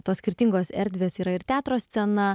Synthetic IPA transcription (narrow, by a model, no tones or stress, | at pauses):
t̪oːssʲkʲɪɾʲt̪ʲɪŋɡoːsɛ̰ɾʲd̪ʲʋʲeːsiːɾɐɪɾt̪ʲæːt̪ɾoːsʲt̪sʲɛnɐ